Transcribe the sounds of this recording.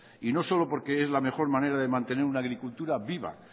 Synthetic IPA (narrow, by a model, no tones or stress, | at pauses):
ino̞so̞lo̞po̞ɾke̞ezlame̞xo̞ɾmane̞ɾaðemãnt̪e̞ne̞ɾunaːɣɾikult̪uɾaβiβa̰